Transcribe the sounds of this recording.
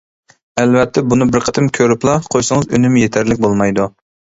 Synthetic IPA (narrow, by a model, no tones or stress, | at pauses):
ɛlvɛt̪ʰːɛbunɨbɪɾqʰət̪ʰɨmkʲʰøɾyplˠɑqʰojsɨŋəzønymjet̪ʰæɾlɪk̚ʲbolˠmɑjd̪u